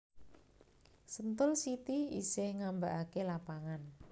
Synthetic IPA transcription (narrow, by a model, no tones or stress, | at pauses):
sənt̪ʊlsit̪iḭsɪhŋambaʔakelapaŋan